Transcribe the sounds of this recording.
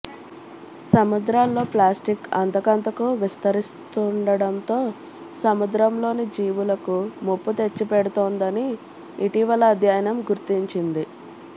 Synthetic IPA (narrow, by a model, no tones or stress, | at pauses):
sɐmud̪ɾaːlːo̞ːplaːsʈikɐnt̪ɐkɐnt̪ɐkuʋist̪ɐɾist̪uɳɖɐɽɐnt̪o̞ː | sɐmud̪ɾɐmlo̞ːnid͡ʒiːʋulɐkumopːut̪e̞t͡ʃːipeɽut̪oːnd̪ɐniː | ʈiʋɐlɐːd̪ʱjaːjɐnɐmɡuɾt̪iɲt͡ʃind̪i